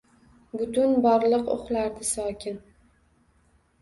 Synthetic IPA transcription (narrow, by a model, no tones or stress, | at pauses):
bʊt̪ʊnbɒɾlˠɨqo̰χlaɾd̪ɪsɒkʲʰɪn